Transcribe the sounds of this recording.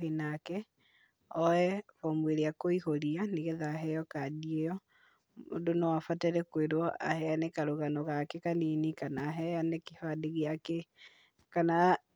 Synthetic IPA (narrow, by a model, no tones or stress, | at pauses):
enakɛ | ɔɛfɔmweɾeakoihoɾianeɣɛðaɦɛjɔkadiejɔ | o̰donɔwafatɛɾɛkweɾwɔʔa̰hɛanekaɾuɣanɔɣakekaninikanaɦɛjanekihadeɣeake | kana